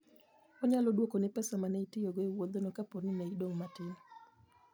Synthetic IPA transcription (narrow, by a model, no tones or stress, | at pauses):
ɔɲalɔdwokonɪpɛsamaneitɪjoɡoewod̪onokapornineidoŋmatɪn